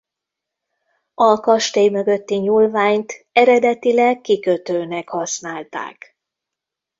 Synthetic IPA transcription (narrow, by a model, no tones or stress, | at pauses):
ɒkɒʃt̪eːjmø̞ɡø̞t̪ːiɲuːlvaːɲt̪ɛɾɛd̪ɛt̪ilɛkːikøt̪øːnɛkhɒsnaːlt̪a̰ːk